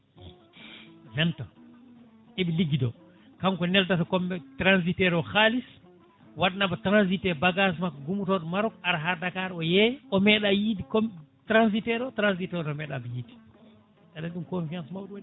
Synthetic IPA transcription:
vɛntɔ | eɓiliɡidɔ̰ | kaŋkɔnɛltatakɔmːɛtɾanzitɛɾɔxalis | waɗanabatɾanz̬itɛbaɡas̬makːɔɡumutɔɗɔmaɾɔkaɾaɦaɾdakaɾɔjɛʔɔmɛɗajiːdikomtɾans̬itɛɾɔtɾanzitɛɾɔmɛɗa̰bɛjiːdi̥ | tadanɗumkomfiansmawduwn

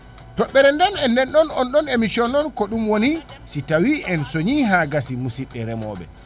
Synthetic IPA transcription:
tɔɓːɛɾɛndɛnɛnːɛnɗɔnɔnɗɔnemisɔnɔnkɔɗumwoni | sitawiʔɛnsoɲiɦaɡasimusiɗːɛɾɛmɔ̰ːɓɛ̰

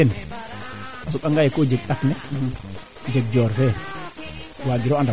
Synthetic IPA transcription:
ɛn | asɔɓaŋɡajɛkɔd͡ʒeɡɗaknɛ | d͡ʒeɡ̚d͡ʒɔːɾfɛ | waːɡiɾɔanda

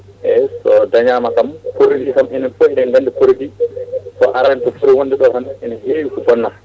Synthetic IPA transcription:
ʔɛsɔdaɲaːmakampoɾidikamɛnɛnfoiɗɛnŋɡandipoɾidisɔʔaɾantɔfuɾiwondɛɗɔlhanɛnɛhewkubɔnːa

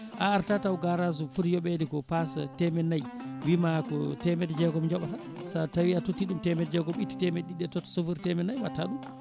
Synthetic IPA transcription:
ʔaːɾtatawɡaɾaz̬ufuɾjɔɓɛdikɔpasa̰tɛmɛnːajwimakɔtɛmɛtɛd͡ʒɛɡɔmɲd͡ʒɔɓaa | satawiatotːiɗumtɛmɛtɛd͡ʒɛɡɔmitːi̥tɛmɛɗiɗɛtɔtːɔ̥sofuɾtɛmɛnːajwataɗum

